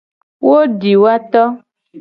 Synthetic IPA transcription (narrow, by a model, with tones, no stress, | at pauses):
wo˦ɖi˨wa˦t̪ɔ˦